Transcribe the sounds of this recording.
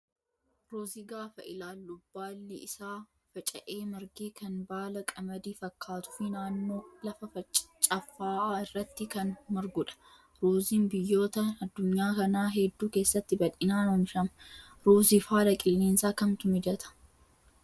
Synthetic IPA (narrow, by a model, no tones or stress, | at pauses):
ɾuːzɪɡaːfɐʔɪlaːlːʊbːaːlːɪɪsaː | fɐt͡ʃʼɐ̰ʔe̞ːmɐɾɡeːkɐnbaːlɐkʼɐmɐd̪iːfɐkʰːaːt̪ʊ̥fɪnaːnːo̞ːlɐfɐfɐt͡ʃʼt͡ʃʼɐfːaːɪrːɐt̪ːɪkɐnmɐɾɡʊᶑɐ̥ | ɾuːziːnbɪjːo̞ːt̪ɐɐd̪ːʊɲːaːkɐnaːɦɛd̪ːuːke̞ːsːɐt̪ːɪbɐᶑʼɪnaːnɐmʃɐmɐ | ɾuːzɪfaːlɐkʼɪlːeːnsaːkɐmt̪ʊmɪd͡ʒɐt̪ʰɐ̥